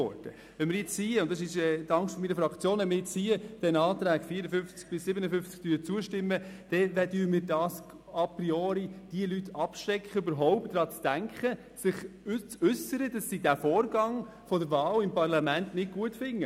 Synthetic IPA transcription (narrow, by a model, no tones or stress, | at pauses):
ɔ̰ɾd̥ə | ʋɛnmɪɾjɛt͡ssiːʊnt̚d̥ɑsɪʃɛːtɑŋsʃtfɔminəfɾɑkt͡sjoːnʋɛnmɪɾjɛt͡ssiːəd̥ɛnɑːtɾæːɡ̥fiəɾəfʏft͡sk̚b̥ɪsːɪbənəfʏft͡sk̚tyːɾt͡suəʃtɪmːəd̥ɛvɛdyːmɪːɾdɑːs | ɑpɾioːɾid̥iəlytːɑpʃɾɛkχəybəɾɦɔʊpt̚ːɾɑːt͡sd̥æŋkχə | sɪχt͡sʉsːəɾəd̥ɑsːidæfɔːɾɡɑŋ | fɔdəɾʋɑːlɪmpɑrlɑmæntnɪt̚ɡ̥uətfɪŋːə